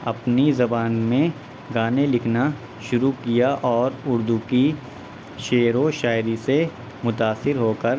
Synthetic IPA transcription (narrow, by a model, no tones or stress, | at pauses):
ɐpnizɐbaːnmẽ | ɡaːnelɪkʰna | ʃʊɾukijaʔɔːɾʊɾd̪uki | ʃeːɾoʃaːɪɾise | mʊt̪aːsːɪɾɦoːkəɾ